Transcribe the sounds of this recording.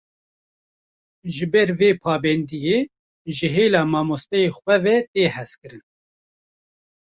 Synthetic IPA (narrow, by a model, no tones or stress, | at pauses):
ʒɨbɛɾveːpʰɑːbɛnd̪ijeː | ʒɨɦeːlɑːmɑːmost̪ɛjeːxʷɛvɛt̪eːhɛskɨɾɨn